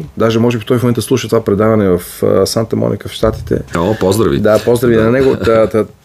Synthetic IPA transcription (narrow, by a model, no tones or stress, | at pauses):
d̪aʒɛmɔʒɛbift̪ɔjifmomɛnt̪d̪əslˠuʃət̪ovapɾɛd̪avɐnɛvɐfsant̪əmɔ̰nḭkəfʃt̪at̪i̥t̪ʰɛ̰opɔzd̪ɾɐvḭd̪apɔzd̪ɾɐvit̪ɛnɐnɛɡoət̪